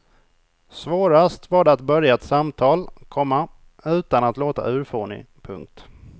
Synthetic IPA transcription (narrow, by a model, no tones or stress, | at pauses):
svoːɾast̪vaːɖɛat̪̚bœɾjaɛt̪samt̪ʰɑːlkʰɔmːa | ʉ̟ːt̪anat̪loːt̪a̰ʔʉ̟ːɾfoːɳɪ̰ | pʰɵ̰ŋk̚t̪